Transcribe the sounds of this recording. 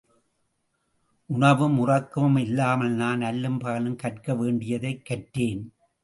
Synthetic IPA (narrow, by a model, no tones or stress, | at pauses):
ʔʊɳɐʋɯmʊrɐkːɯmɛlːaːmɐlnaːnnɐlːɯmpaːlɯmkɐʈ̚kɐʋeːɳɖɪjɐðɐɪkːɐʈɾeːn